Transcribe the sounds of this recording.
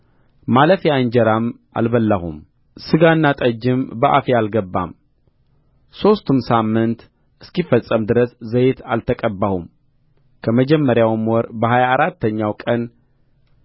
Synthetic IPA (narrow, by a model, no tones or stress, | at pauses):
maləfjand͡ʒəɾam | ʔa̰lbəlːahṵm | sɨɡanːat̪ʼəd͡ʒːɪmbəʔa̰fialɡəbːa̰m | so̞st̪ʰumsamːɨnt̪ | ʔɨskifːəsʼːəmd̪ɨɾəszəjet̪alt̪ʰəkʼəbːahum | kʰəməd͡ʒɛmːəɾjawmwɔɾbəɦajaːɾat̪ːəɲːawkʼən